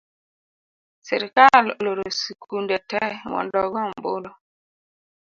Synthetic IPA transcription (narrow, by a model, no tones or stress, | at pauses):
sɛɾkalloɾosikʰundɛtɛwɔ̰ndɔɡɔmbolɔ